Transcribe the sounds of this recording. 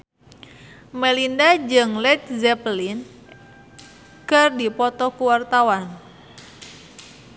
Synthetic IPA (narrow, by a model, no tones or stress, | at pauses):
mɛlindad͡ʒɨŋlɛt̪̚zɛplin | kɨrdipɔt̪ɔkuwart̪awan